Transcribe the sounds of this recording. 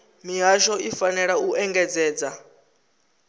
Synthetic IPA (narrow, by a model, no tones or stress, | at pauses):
miɦaʃɔifanɛɺauʔɛŋɡɛd͡zɛːd͡za